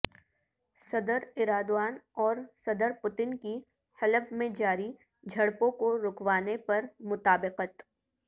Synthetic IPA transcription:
sɐd̪əɾɪɾaːd̪waːnɔːɾsɐd̪əɾpʊt̪ɪnki | hɐləbmẽd͡ʒaːɾi | d͡ʒʱɐɽpõkoɾʊkwaːnepɐɾmʊt̪aːbɪqət̪

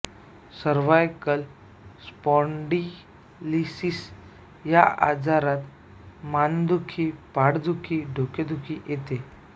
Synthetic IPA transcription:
səɾʋajkəl | spɔɳɖi | lisis | jaa̰d͡zaɾat̪ | mand̪ukʰipaɽd̪ʱukʰiɖʱoked̪ʱukʰijet̪e

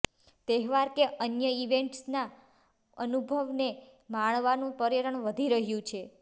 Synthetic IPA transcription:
t̪eɦʋaɾkeʔənjəiʋeɳʈsna | ənubʱəʋne | maɭʋanũpəɾjəɾəɳʋəd̪ʱiɾəɦjũt͡ʃʰe

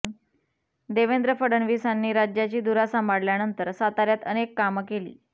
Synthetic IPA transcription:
d̪eʋend̪ɾəfəɽəɳʋisanːiːɾad͡ʑjat͡ɕiːd̪uɾasamaɽljanənt̪əɾsat̪aɾjat̪ənekːamkelḭː

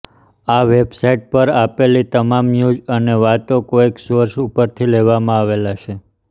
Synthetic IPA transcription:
aʋebsaiʈ̚pəɾapelit̪əmamjud͡ʒəneʋat̪okoeksəɾʃupəɾt̪ʰileʋamãaʋelat͡ʃʰe

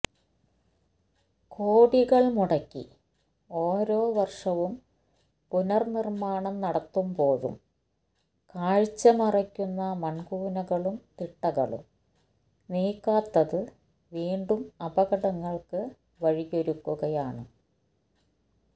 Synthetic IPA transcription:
kʰo̞ːɽiɣɐɭmuɽɐkʲːḭ | oːɾo̞ːʋɐrʂɐʋum | punɐrnirmaːɳɐmnɐɽɐt̪ːumbo̞ːɻṵm | kaːɻt͡ɕːɐmirɐkʲːunːɐmɐɳɡuːnɐɣɐɭumt̪iʈːɐɣɐ̰ɭṵm | niːkːaːt̪ːɐðɨ | ʋiːɳɖumɐbɐɣɐɽɐŋːɐɭkɨ | ʋɐɻijo̞ɾukːuɣɐjaːɳɨ

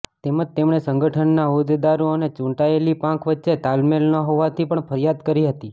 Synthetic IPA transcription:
t̪eməd͡ʒt̪emɳesəŋɡəʈʰənːaɦod̪ed̪aɾoənet͡ʃũɳʈaelipãkʰʋətːʃet̪almelnəɦoʋat̪ʰipəɳfʰəɾijad̪kəɾiɦət̪i

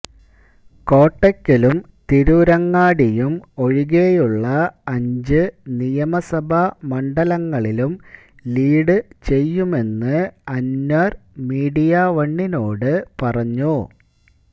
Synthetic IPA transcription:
ko̞ːʈːɐkːilum | t̪iɾuɾɐŋːaːɽijumo̞ɻiɣeːjuɭːɐɐɲd͡ʑɨnijɐmɐsɐbʱɐmɐɳɖɐlɐŋːɐɭilum | liːɽɨt͡ɕe̞jːume̞nːɨɐnːɐrmiːɽijɐʋɐɳːino̞ːɽɨpɐrɐɲːu

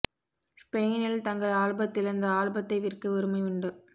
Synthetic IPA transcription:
speːnɪlt̪ɐŋɡɐɭaːɻbɐt̪ːɪlɐnd̪ɐaːɻbɐt̪ːɐɪʋɪrkɯʊɾɯmɐɪʋʊɳɖɯ

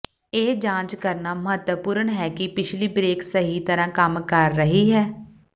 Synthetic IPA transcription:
eːd͡ʒãːt͡ʃkəɾnaːməɦət̪wəpʊːɾəɳɦɛːkɪpɪt͡ʃʰliːbɾeːksəɦiːt̪əɾãːkəmkəɾːəɦiːɦɛː

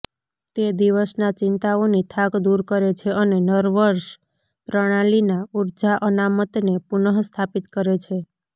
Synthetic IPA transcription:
t̪ed̪iʋəsnat͡ʃɪnt̪aonit̪ʰakd̪uɾkəɾet͡ʃʰeʔənenəɾʋəɾʃ | pɾəɽ̃alinauɾd͡ʒaʔənamət̪nepunəɦst̪ʰapit̪kəɾet͡ʃʰe

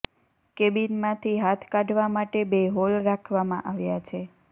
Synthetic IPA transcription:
kebinmãt̪ʰiɦat̪ʰkaɖʋamaʈebeɦolɾakʰʋamã̰ʔaʋjat͡ʃʰe

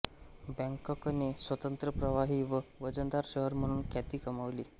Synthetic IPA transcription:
bə̃ŋkɔkənesʋət̪ənt̪ɾəpɾəʋaɦiːʋəʋəd͡ʑənd̪aɾɕəɦəɾm̤əɽ̃uːnkʰat̪iːkəmaʋlḭː

